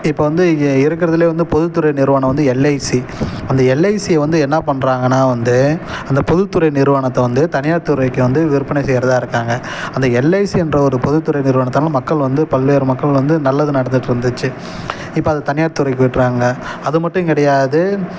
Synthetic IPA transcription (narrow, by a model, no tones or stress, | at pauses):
ɪpːoːʋɐnd̪ɯɪɾɯk̬ːɪɾɐðɯleːʋɐnd̪ɯpɔðɯt̪ːɯɾɐɪnɪɾɯʋaːɳɐ̃ʋɐnd̪ɯɛlːɐɪsiɐnd̪ɐɛlːɐɪsiɐʋɐnd̪ɯɛnːɐpɐɳɾaːŋɡɐnaːʋɐnd̪ɯɐnd̪ɐpɔðɯt̪ːɯɾɐɪnɪɾɯʋaːɳɐt̪ːɐʋɐnd̪ɯt̪ɐnɪjaːʈt̪ɯɾɐɪkːɯʋɐnd̪ɯʋɪɾɯpːɐɳɛɪsɛjɾɐðaːɪɾɯkːaːŋɡɐ | ɐnd̪ɐɛlːɐɪsiɛndrɐɔɾɯpɔðɯt̪ːɯɾɐɪnɪɾɯʋaːɳɐt̪ːnaːlɐmɐkːɐɭʋɐnd̪ɯpɐlʋeːɾɯmɐkːɐɭʋɐnd̪ɯnɐlːɐðɯnɐɽɐnd̪ɯʈːɯɾɯnd̪ɯt͡ʃːɯ | ɪpːoːɐðɐt̪ɐnɪjaːʈt̪ːɯɾɐɪkːɯʋɪʈːɾaːŋɡɐɐðɯmɐʈːʊ̃kɪɽɐjaːðɯ